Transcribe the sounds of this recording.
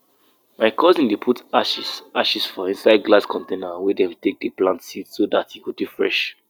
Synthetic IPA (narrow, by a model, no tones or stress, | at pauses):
maɪkʰɔzĩndepʰutaʃisaʃisfɔĩnsaɪd̚ɡlaskʰɔ̃ntẽnəwɛdɛ̃mtek̚deplãntsitsodatjikodufɹɛʃ